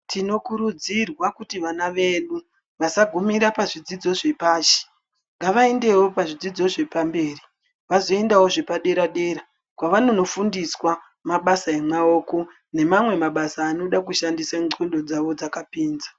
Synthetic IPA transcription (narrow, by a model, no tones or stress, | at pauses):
tʰino̞kuɾud͡zirwakutiʋanaʋe̞ɗu | ʋasaɡʱumiɾapaʐid͡zid͡zo̞ʐe̞paːʃe̥ | ŋɡaʋae̞nde̞wo̞paʐid͡zid͡zo̞ʐe̞pambe̞ːri | ʋazo̞e̞ndawo̞ʐe̞paɗe̞ɾaɗe̞ːɾa | kwaʋano̞no̞fundiswa | maɓasaemwao̞ːko̞ | ne̞mamwe̞maɓasaːno̞ɗak̬uʃandisaondo̞d͡zaʋo̞d͡zakapiːnzḁ